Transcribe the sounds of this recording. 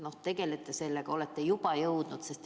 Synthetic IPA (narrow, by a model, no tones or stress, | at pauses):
no̞ht̪e̞ɡ̥e̞let̪ːˑese̞lːeɡ̥ɑo̞let̪ːejub̥ɑjɤwd̪̥nud̪̥se̞st̪